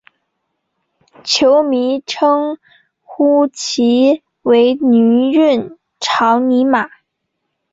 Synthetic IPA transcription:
t͡ɕʰjo˧˥ʊmi˧˥ʈ͡ʂʰɤ˥ŋ | xu˥t͡ɕʰi˧˥ | we˧˥ɪny˧˥ɻə˥˩n | ʈ͡ʂʰɑ˧˥ʊni˧˥ma˨˩˦

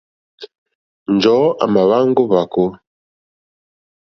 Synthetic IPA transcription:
n˨d͡ʒɔ˨˦ʔa̰˨ma˨βa˦ŋ˦ɡo˦βa˨ko˦

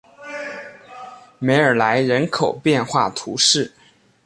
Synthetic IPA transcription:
me˧˥ɪə˞˨˩la˧˥ɪɻə˧˥nkʰo˨˩ʊpjɛ˥˧nxwa˥˩t̪ʰu˧˥ʂɻ̩˥˩

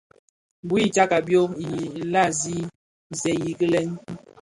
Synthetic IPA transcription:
bu˦i˦t͡ʃa˦ka˨bjo˦i˨la˦˨zi˦˨ | zɛ˨ji˨ɡə˦lɛ˦n˦

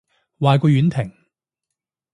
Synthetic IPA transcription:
waː˨jkɔː˧ɥyː˨˥nt̪ʰɪ˨˩ŋ

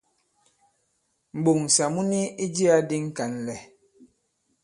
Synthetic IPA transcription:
m̩˨ɓo˨ŋ˨sa˨mu˦ni˦i˦d͡ʒi˦a˦di˦ŋ̩˦ka˨nlɛ˨

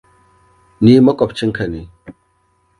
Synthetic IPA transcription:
ni˦mə˦kɔ˨p̚t͡ʃi˦ŋ˦kʰə˨ni˨

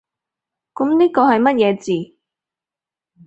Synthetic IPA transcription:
kʊ˨˥mniː˥kɔː˧hɐ˨jmɐ˥t̚jɛː˨˧t͡siː˨

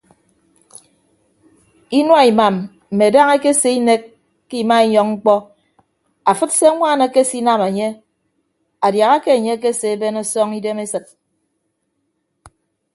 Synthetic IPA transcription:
i˦nwa˦i˨ma˨m | m̩˨me˨da˦ŋe˦ke˦se˦i˦ne˦kː | i˦˨ma˦i˦ɲɔ˨ŋŋ͡m̩˦k͡pɔ˦ | a˨fɨ˦tse˦ŋʷaː˦˨na˨ke˦si˦na˦me˨ɲe˦ | a˨dja˨ɣa˦ke˦e˨ɲe˦k̬e˦se˨e˦be˦nɔ˦sɔ˦ŋi˦de˦me˦sɨ˦˨t̚

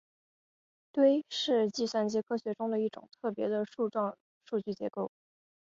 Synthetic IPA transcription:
t̪we˥ɪʂɻ̩˥˧t͡ɕi˥˧swa˥˩nt͡ɕjɛ˥kʰɤ˥ɕɥɛ˧˥ʈ͡ʂʊ˥ŋd̪ə˨i˥˩ʈ͡ʂʊ̰˨˩ŋt̪ʰɤ˥˩pjɛ̰˧˥d̪ə˧ʂu˥˧ʈ͡ʂɑ˥˧ | ʂu˥˧t͡ɕy˥˩t͡ɕjɛ̰˧˥ko˥˩ʊ

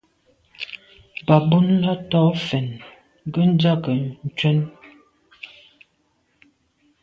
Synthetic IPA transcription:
ba˨bu˦nla˦tɔ˦fɛ˨n˦ | ɡə˦n˦d͡za˦kə˨n̩˨t͡ʃwɛ˦n

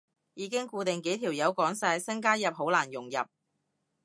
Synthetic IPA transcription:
jiː˨˧˥kɪ˥ŋkuː˧t̪ɪ˨ŋke˨˥jt̪ʰiː˨˩wjɐ˨˧wkɔː˨˥ŋsaː˧jsɐ˥ŋkaː˥jɐ˨p̚ɦo˨˥wlaː˨˩njʊ˨˩ŋjɐ̰˨p̚

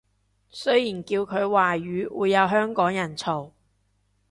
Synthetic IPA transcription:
sɵ˥jiː˨˩nkiː˧wkʰɵ˨˧ɥwaː˨˩ɥyː˨˧wṵː˨˧jːɐ˨˧wɦœː˥ŋkɔː˨˥ŋjɐ˨˩nt͡sʰo˨˩w

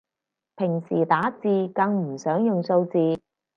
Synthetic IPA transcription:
pʰɪ˨˩ŋsiː˨˩t̪aː˨˥t͡siː˧kɐ˧ŋm̩˨˩sœː˨˥ŋjʊ˨ŋso˧wt͡siː˨˧

